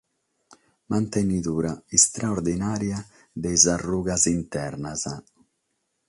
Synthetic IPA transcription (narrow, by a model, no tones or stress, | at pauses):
mant̪enit̪uːɾaist̪ɾaoɾd̪inaːɾja | d̪ɛjzarːuːɡazint̪ɛɾnaza